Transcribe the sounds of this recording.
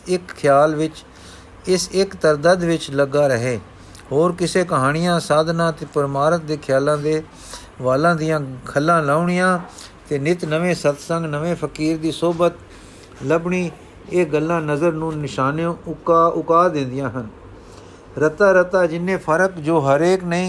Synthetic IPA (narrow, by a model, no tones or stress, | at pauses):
ɪkkʰːjaːlʋɪt͡ʃ | ɪsɪkt̪əɾd̪əd̪ʋɪt͡ʃləɡaːɾəɦeː | hoːɾkɪseːkəɦaːɽ̃ɪjãːsaːd̪nãːt̪eːpəɾɪmaːɾət̪̚d̪eːkʰjaːlãːd̪eː | ʋaːlãːd̪ɪjãːkʰəlːãːlaːʊɳɪjãːt̪eːnɪt̪nəʋẽːsət̪sə̃ŋɡnəʋẽːpʰəkiːɾd̪iːsoːbət̪ | ləbɳiː | eːɡəlːãːnəzəɾnũːnɪʃaːneʊʊkaːd̪ɪ̃ːnd̪ɪjãːɦən | ɾət̪aːɾət̪aːd͡ʒɪnːẽːpʰəɾəkd͡ʒoːɦəɾeːknəĩː